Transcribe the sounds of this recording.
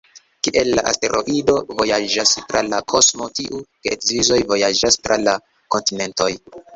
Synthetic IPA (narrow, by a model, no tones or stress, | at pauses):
kiʔe̞lːaʔa̰ste̞ɾʔo̞̰ʔido̞vo̞jad͡ʒastɾalakʰo̞smo̞tiʔukeekzizo̞jvo̞jad͡ʒastɾala | ko̞ntine̞nto̞j